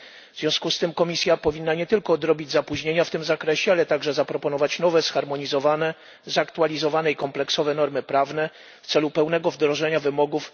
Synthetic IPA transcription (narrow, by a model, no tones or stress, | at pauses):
vzvʲjɔ̃w̃skust̪ɘmkɔmʲisʲjapɔvʲinːaɲɛt̪ɘlkɔːd̪ɾɔbʲid͡ʑʲzapuʑɲeɲaft̪ɘmzakɾɛɕɛalɛt̪aɡʐɛzapɾɔpɔnɔvat͡ɕnɔvɛsxaɾmɔɲizɔvanɛ | zakt̪ualʲizɔvanɛikɔmplɛksɔvɛnɔɾmɘpɾavnɛ | ft̪sɛlupɛwnɛɡɔvd̪ɾɔʐɛɲavɘmɔɡuf